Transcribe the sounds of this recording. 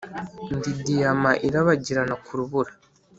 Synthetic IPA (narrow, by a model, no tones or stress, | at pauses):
ndidijamaʔiɾaβaɟiɾanakuɾuβuɾa